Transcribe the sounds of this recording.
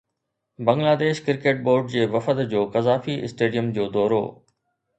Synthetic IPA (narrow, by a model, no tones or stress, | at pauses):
bɐ̃ŋɡlaːd̪eːʃkɪɾkeːʈ̚boːɾɖd͡ʑeːʋɐfət̪d͡ʑoːkɐzaːfiɪ̰sʈeːɖijəmd͡ʑoːd̪ɔːɾo̰ː